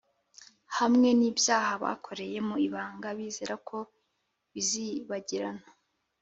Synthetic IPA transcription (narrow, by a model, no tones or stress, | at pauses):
hamŋe̞niːbjaːɦaβa̰ːkʰo̞ɾe̞je̞muiβaːŋɡaβizeːɾakʰo̞ | βiziβaɟiɾano